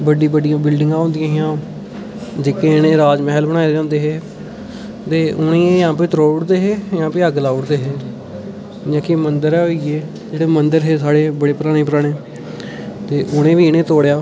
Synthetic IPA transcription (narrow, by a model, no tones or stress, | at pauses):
bəɖiːbəɖɪjãːbɪlɖɪŋɡãːɦõːnd̪ɪjãːɦɪjãː | d͡ʒeːkeːnẽːɾaːd͡ʒmɛɦlbəɽ̃aːed͡ʒãːnd̪eːɦeː | t̪eːʔʊnẽːejãːp̬eːt̪əɾoːɽd̪eːɦeːjãːpeːəɡlaːʊɽd̪eːɦeː | d͡ʒãːkemənd̪əɾɛːɦoieː | d͡ʒeːɽeːmənd̪əɾɦeːsaːɽeːbəɽeːpəɾaːɽ̃ẽːpəɾaːɽ̃eː | t̪eːʔʊnẽːʋiːɪnẽːt̪oːɽejaː